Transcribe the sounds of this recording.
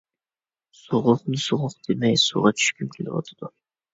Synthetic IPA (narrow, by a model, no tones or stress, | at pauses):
soʁʊqnɨsoʁʊqd̪̥emɛjsuʁɑt͡ʃʰy̥ʃkʲymkʲʰelɪ̰wɑ̰t̪ʰɨ̥d̪̥u